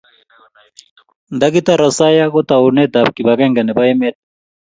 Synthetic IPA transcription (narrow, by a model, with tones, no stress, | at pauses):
nd̪a˦kit̪a˦ɾa˨sa˦ja˦kɔ˦t̪a˨u˨nɛ˦d̪a˨b̚ki˨ba˨ka˦ŋɡa˨nɛ˨ba˦ɛ˦mɛ˦t̚